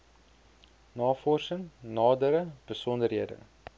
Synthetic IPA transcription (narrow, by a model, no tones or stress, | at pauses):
nɑːfɔrsəŋnɑːdəɾəb̥əsɔndərɦiədə̰